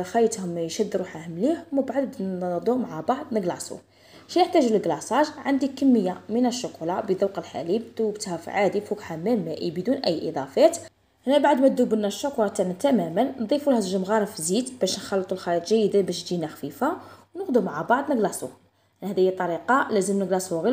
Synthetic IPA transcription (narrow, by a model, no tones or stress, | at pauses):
xæjət̪hʊmjʃæd̪ːɾuħæhmliħməbʕadd̪d̪ˤumaʕabɑʕd̪ˤnəɡlɑsˤṵ | ʃinəħt̪æʒuləlɡlɑsˤɑʒʕand̪ikəmːəjːamənæʃːʊkulɑbəd̪uwqəlħa̰libd̪̥uwbət̪hæfḭʕad̪ifukħamælmæʔibd̪unʔæjːʔḭd̪ˤɑfæt̪ | hnæbaʕəd̪mæd̪ubənːæʃːʊkuɾɑt̪æʕnæt̪æmæmənnd̪ˤifulhæəʒəmɣɑɾˤəfzit̪bæʃnxɑlːət̪ˤulxɑlit̪ˤʒæjəd̪ænbæʃd̪inæxfifawnəqd̪umaʕabɑʕd̪ˤnəɡlɑsˤṵ | næhd̪æjːæt̪ˤːɑɾiqɑlæzəmnəɡlɑsˤuɣi